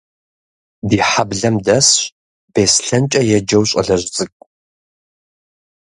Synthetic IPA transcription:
diːħabɮɐmdɐsɕ | b̥eːsɬɐnt͡ʃʼɐjɛd͡ʒɐwɕʼɐ̰ɮɐʑʷt͡sʼɨkʷʼ

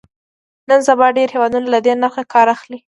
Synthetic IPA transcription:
nənzabɑɖeɾhewɑd̪unalad̪enaɾxakɑɾaxli

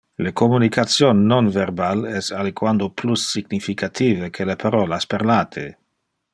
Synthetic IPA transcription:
lekomunikʰat̪sjonːonverbalɛsalikwand̪oplusːiɡnifikʰat̪ʰiːvekʰelepaɾoːlaspeɾlaːt̪ʰḛ

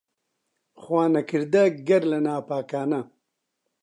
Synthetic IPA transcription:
xwaːnɐkiɾd̪ɐɡɐɾlɐnaːpaːkaːna

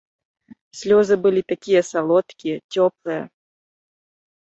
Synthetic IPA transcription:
sʲlʲɔzɨbɨlʲit̪akʲijɐsalˠɔt̪kʲit͡sʲɔplˠɨjɐ̰

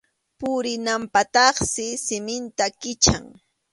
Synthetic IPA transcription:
pʊɾɪnampat̪ɑχsɪsɪmɪnt̪akɪt͡ʃa̰ŋ

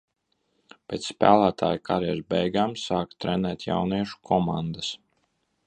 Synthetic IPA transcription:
pʲɛːt̪ssːpæ̰ːlˠæːt̪ʰa̰ːjkʰaɾɛɛɾbɛjɡaːmsaːkt̪ɾɛnɛːt̪ʲja̰wniɛʃu̥kʰɔmand̪as

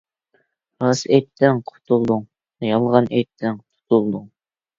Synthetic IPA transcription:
ɾɑset̪ʰːɛŋqʰʊ̥t̪ʰulˠd̪uŋ | jɑlˠʁɑnʔet̪ʰːɛŋqʰʊ̥t̪ʰulˠd̪uŋ

